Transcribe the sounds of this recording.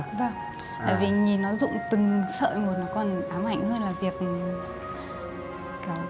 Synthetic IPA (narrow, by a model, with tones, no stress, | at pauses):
vaː˨˩ŋ | t̪a̰ː˧˨jvi˨˩ɲi˨˩nɔ˨˦zʊ̰˧˨ŋ͡mt̪ɨ˨˩ŋsə̰ː˧˨mo˨˩t̚nɔ˨˦kɔ˧˩nʔaː˨˦mha̰˧˨jŋ̟həː˧nlaː˨˩vi˨˩ək̚ | kaː˨˦